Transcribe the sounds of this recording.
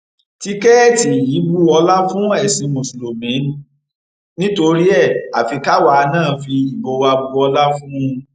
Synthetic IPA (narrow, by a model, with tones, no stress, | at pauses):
ti˦kɛ˦ɛ˦˨ti˨ji˨˦bu˦ɔ˧la˦fũ˦ɛ˦˨sĩ˨˦mõ˨su˨ɾo˨mĩ˨˦n˦ | nĩ˦to˧ɾi˦ɛ˦˨a˨fi˧ka˦wa˧nãː˦˨fi˧i˨bo˧wa˧bu˧ɔ˧la˦fũ˦˧